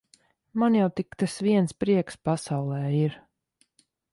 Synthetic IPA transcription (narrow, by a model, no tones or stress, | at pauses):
manjawt̪ikt̪asviɛnspɾiɛkspasawlˠɛːiɾ